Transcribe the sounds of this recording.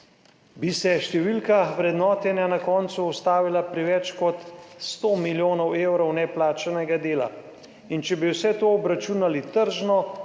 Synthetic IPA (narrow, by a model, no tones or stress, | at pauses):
bisɛʃt̪ɛʋilkaʋɾɛd̪nɔːt̪ɛnanakɔːnt̪suust̪aːʋilapɾiʋɛt͡ʃkɔt̪st̪oːmiljoːnɔwewɾɔwnɛplaːt͡ʃanɛɡad̪eːla̰ | int͡ʃɛbiwsɛt̪oːbɾat͡ʃuːnalit̪əɾʒnɔ